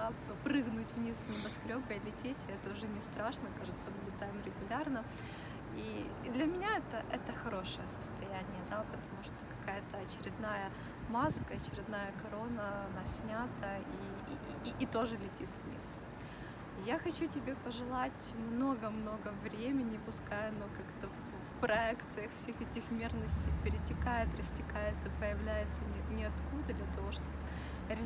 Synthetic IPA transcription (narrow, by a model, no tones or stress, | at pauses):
a | pɾɨɡnʊtʲvnʲisnəbɐskɾʲobəɪlʲɪtʲetʲɛt̪əʊʐɛnʲɪst̪ɾaʂnəkaʐɨt̪səbudʲɪt̪ːamɾʲɪɡʊlʲarnə | i | d̪lʲɐmʲɪnʲaɛt̪əʔɛt̪əxɐɾo̞ʂɨjəsə̥st̪ɐjænʲɪjəd̪apət̪ɐmuʂt̪okɐ̥kajət̪əɐt͡ɕɪɾʲɪd̪najə | maskəɐt͡ɕɪɾʲɪd̪najəkɐɾo̞nəɐnasʲnʲat̪əiː | t̪o̞ʐɨlʲɪtʲit̪vnʲḭs | jaxɐt͡ɕutʲɪbʲepəʐɨlˠatʲmno̞ɡəmno̞ɡəvɾʲemʲɪnʲɪpʊskajʊnokakt̪əf | fpɾɐɛkt̪sɨjəxfsʲexɛtʲɪxmʲe̞rnəsʲtʲɪjpʲɪɾʲɪtʲɪkajɪt̪rəsʲtʲɪkajɪt̪səpəjɪvlʲæjɪt̪sənʲɪnʲɪɐt̪kud̪əd̪lʲat̪ɐvo̞ʂt̪op | ɾʲɪ